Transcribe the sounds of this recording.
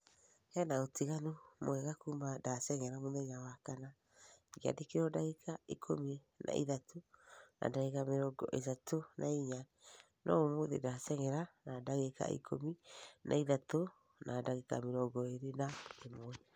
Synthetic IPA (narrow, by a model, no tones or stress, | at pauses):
hɛnaotiɣanomoɛɣakumadasɛŋɛɾamoðɛɲawakana | ɡea̰dekeɾɔdaɣekʰaekʰomi | nʔa̰ʔḭðatona̰daɣekameɾɔɡɔ̰ʔetatonʔaiɲa | nʔɔ̰omoðḛdasɛŋɛɾanadaɣeka̰ḭkʰo̰minʔa̰iðato | nadaɣeka̰meɾɔɡɔeɾenaemoɛ